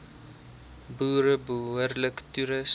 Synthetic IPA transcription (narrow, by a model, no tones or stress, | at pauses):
buːɾəbəɦuərləktuɾəs